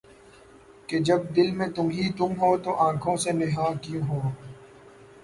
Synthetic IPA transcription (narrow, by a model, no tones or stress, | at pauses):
ked͡ʒɐb̚d̪ɪlmẽt̪ʊmɦit̪ʊmɦoːt̪oʔãːkʰõːsenɪɦãːkijũɦoː